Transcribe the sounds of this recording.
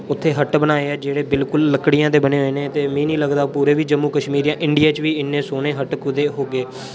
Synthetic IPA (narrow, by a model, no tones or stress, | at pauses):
ʊt̪ʰːeːɦəʈbənaːeːɛːd͡ʒeːɽeːbɪlkʊlːəkɽɪjãːd̪eːbəneːɦoeːnẽːt̪eːmĩːnĩːləɡd̪aːpuːɾeːʋiːd͡ʒəmːũːkəʃmiːɾijãːʔɪɳɖɪjaːt͡ʃʋiːɪnːẽːsoːneːɦəʈkʊd̪eːɦoːɡeː